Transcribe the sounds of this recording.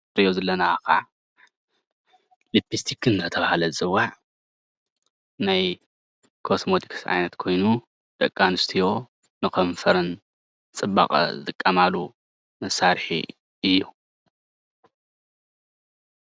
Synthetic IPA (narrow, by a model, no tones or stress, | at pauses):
ɾijozɐlːɐnaka̰ | lipːist̪ʰikːɨnɨt̪ɐt̪ʰɐβahalɐzɨwaʕ | naj | kʰo̞smot̪ʰi̥kʰsa̰jnɐt̪kʰo̞jnu | d̪̥ɐkʼːanɨst̪ʰijo̞ | nɨkʰɐɱfɐɾɨn | t͡sʼɨba̰χʼɐ̰zɨt̪ʼɨkʼːɐmalu | mɐsːaɾħḭ | ɨjːu